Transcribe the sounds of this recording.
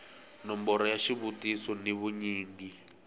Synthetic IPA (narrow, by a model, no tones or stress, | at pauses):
nɔmbɔɾɔjaʃiβutisɔniβuɲiːŋɡi